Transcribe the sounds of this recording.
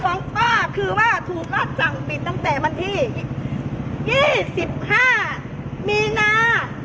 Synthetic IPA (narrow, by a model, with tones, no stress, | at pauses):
wa˨˦ŋpaː˧˥˩kʰɯː˧waː˥˩t̪ʰuː˨˩k̚ːaː˧˥˩t̚sa˨˩ŋpi˨˩t̪̚t̪ːa˥˩ŋt̪ɛː˨˩wa˧nt̪ʰiː˧˩jk̚jiː˥˩si˨˩p̚haː˥˩ | miː˧naː˧